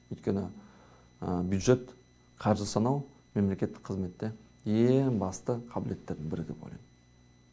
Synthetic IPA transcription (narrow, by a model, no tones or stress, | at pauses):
ʏjt̪kʲe̞nɪ | əbjud̪ʒe̞t̪ | qʰɑɾʒɪsɑnɑw | me̞mle̞kʲe̞t̪ːɪk̚qʰːəzme̞t̪ːe | jeŋbɑst̪əqʰɑbɪle̞t̪ːe̞ɾd̪ɪŋbɪɾɪ̰ɡ̪ʲebo̰jlˠɑ̰j